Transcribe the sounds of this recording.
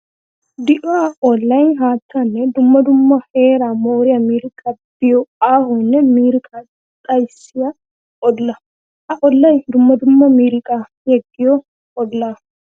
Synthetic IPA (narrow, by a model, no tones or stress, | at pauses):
d̪ɪʔɔɐʔɔlːɐjnɦaːt̪ʰːanːɛd̪ʊmːɐd̪ʊmːɐheːɾamoːɾɪɐmiːɾɪkʼɐb̥ɪjɔaːɦɔnːɛmiːɾɪkʼan | t̪ʼɐjsɪjɐ | ʔɔlːɐ | ʔɐʔɔlːɐjd̪ʊmːɐd̪ʊmːɐmiːɾɪkʼa | jɛɡːɪjɔ | ɔlːaː